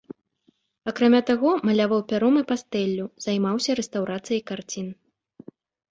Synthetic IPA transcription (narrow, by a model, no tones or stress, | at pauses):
ɐkɾamʲat̪aɣɔmɐlʲavawpʲaɾɔmɨpast̪ɛlʲːuz̥ajmawsʲɐɾɛst̪awɾat̪sɨjɐjkart͡sʲin